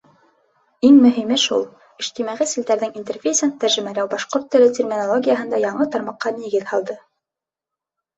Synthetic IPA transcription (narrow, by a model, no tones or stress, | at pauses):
iŋmɵ̆ɦimɘʃṵlˠ | ɘ̆ʃt̪imæʁisild̪æɾðɘŋint̪erfʲejsɘnt̪æɾʒɘ̆mælæwbɑʃqoɾt̪ːɵ̆lɘt̪ʲermʲinolˠoɡʲijəɦɤ̆nd̪ɑjɑɴɤt̪ɑɾmɑqːɑniɡɘðhɑlˠd̪ɤ